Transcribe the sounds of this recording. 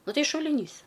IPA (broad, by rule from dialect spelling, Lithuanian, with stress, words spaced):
ˈnʊ ˈtɐɪ ʃʊlʲɪˈnʲiːs